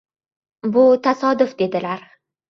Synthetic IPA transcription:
bʊt̪ʰasɒd̪ʊfd̪e̞d̪ɪlaɾ

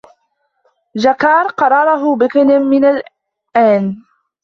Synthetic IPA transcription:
d͡ʒakɑːɾˤqɑɾˤɑɾˤɑɦʊbɪknɪmːɪnal | ʔaːn

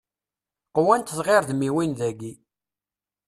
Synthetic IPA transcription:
qwænt̪ðʁɪɾðmiwinðæɡi

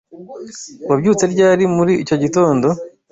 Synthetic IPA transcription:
wabɟuːt͡se̞ɾɟaːɾimuɾiːco̞ɟito̞ːndo̞

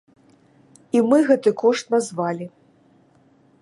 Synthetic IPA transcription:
imɨɣɛt̪ɨkɔʂt̪nazvalʲi

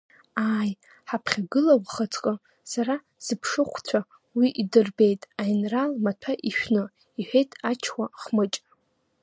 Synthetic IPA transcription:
aːj | ħapʰχʲaɡɨlawʷχat͡sʰʼqʼə | saɾa | z̥ɨpʰʂɨχʷʰt͡sʷʰa | wiʔidɨrbe̞jtʼajnralmatʰaʔiʃᶣnɨ | iħʷᶣejtʼat͡ʃʰkʷaχmɨt͡ʃʼ

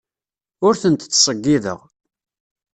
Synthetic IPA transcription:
ʊɾθənt̪t͡sːsˤəɡːiðə̰ʁ

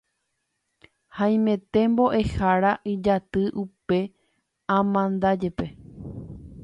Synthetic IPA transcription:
hãj̃mẽ̞t̪e̞mbo̞ʔe̞haɾaʔid͡ʒat̪ɨʔupe̞ | ãmãnd̪ad͡ʒepe̞

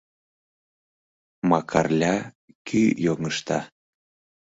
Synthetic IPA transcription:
mɑkʰɑrlʲɑ | kʰyjoŋəʃt̪ɑ

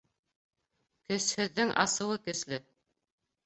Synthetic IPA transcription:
kɵ̆shɘ̆ðːɘŋʔɑ̰sɤ̆wɤkɵ̆slɘ

